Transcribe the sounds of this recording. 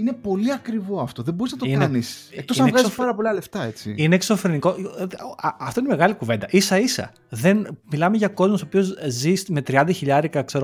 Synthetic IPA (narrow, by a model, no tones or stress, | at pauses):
inepo̞liɐkɾivo̞ɐft̪o̞ðeboiznɐt̪oiknenissekt̪ossɐeɣɐzipɐɾɐpo̞liɐle̞ft̪ɐet͡sḭineːkso̞fɾeniko̞ | ɐft̪o̞inemeɣɐlikuvend̪ɐʔisɐisɐ̰ | ðenmilɐmeʝɐko̞zmosopio̞zzisme̞t̪ɾiɐnd̪ɐçiʎɐɾikɐkse̞ɾo